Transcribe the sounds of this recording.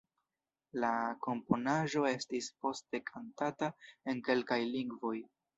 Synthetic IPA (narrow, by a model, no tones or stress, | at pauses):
lako̞mpo̞naʒo̞e̞stispo̞ste̞kʰantatae̞nke̞lkajliŋɡvo̞j